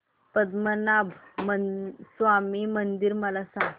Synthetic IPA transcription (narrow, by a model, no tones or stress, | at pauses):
pəd̪mənabʱməsʋamimənd̪iɾməlasãŋ